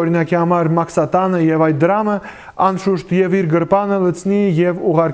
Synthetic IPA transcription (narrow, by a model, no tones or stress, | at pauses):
ɔɾinɑkihɑmɑɾmɑkʰsɑt̪ɑnəjɛvɑjt̪̚d̪əɾɑmə | ɑnʃuʃt̪jɛviɾɡəɾpɑnələt͡sʰnijɛvuʁɑɾk